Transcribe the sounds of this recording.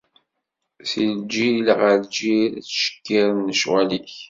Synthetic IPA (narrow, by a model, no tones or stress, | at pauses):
θild͡ʒilʁəɾd͡ʒiɾæt͡sːʃə̥kːiɾnːəʃwæliç